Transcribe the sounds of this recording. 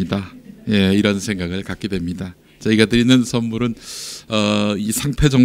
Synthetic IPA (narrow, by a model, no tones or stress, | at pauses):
idaje̞iɾʌnsʰe̞ŋɡaɡɯɭkak͈edwe̞mɲida | t͡ɕaiɡʌdɯɾinɯnsʰʌnmuɾɯnʌisʰaŋpʰe̞d͡ʑʌŋ